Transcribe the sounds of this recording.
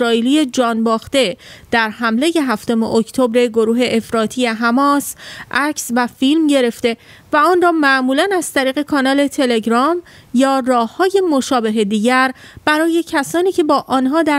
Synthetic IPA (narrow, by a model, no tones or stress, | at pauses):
ɾɒːiːlije̞d͡ʒɒːnbɒːxt̪e̞d̪̥æɾɦæmle̞je̞ɦæft̪o̞me̞̰ʔocʰt̪ʰo̞bɾe̞ɡo̞ɾuːɦe̞ʔefɾɒːt̪ʰije̞ɦæmɒːsʔæcʰsvæfilmɟe̞ɾe̞ft̪e̞ | væɒːnrɒːmæʔmuːlænæz̥t̪ʰæɾiːɣe̞kʰɒːnɒːle̞t̪ʰe̞le̞ɡɾɒm | jɒːrɒːhːɒːje̞mo̞ʃɒːbe̞ɦe̞d̪iːɟæɾb̥æɾɒːje̞cʰæsɒːniːcʰe̞bɒːʔɒːnɦɒːd̪æ